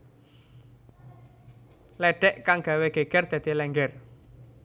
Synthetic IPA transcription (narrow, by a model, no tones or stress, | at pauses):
lɛɖ̥ɛʔkaŋɡ̥ä̤weɡ̥e̤ɡ̥ɛrd̪̥a̤d̪̥i̤lɛŋɡɛr